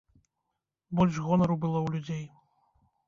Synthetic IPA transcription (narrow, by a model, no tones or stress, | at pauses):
bɔlʲʂɣɔnɐɾubɨlˠɔwlʲud͡zʲej